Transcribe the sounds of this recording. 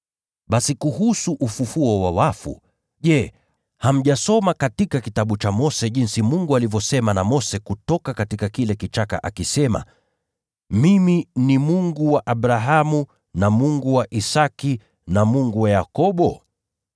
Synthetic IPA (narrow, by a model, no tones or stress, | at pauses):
ɓasikuhusuʔufufuɔwawafṵ | ʄɛ | ham̩ʄasɔmakatikakitaɓut͡ʃamɔsɛʄinsimuŋɡualivɔsɛmanamɔsɛkutɔkakatikakilɛkit͡ʃaka̰ʔakisɛma̰ | miminimuŋɡuwaʔaɓɾaɦamu | namuŋɡuwaʔisaki | namuŋɡuwajakɔɓɔ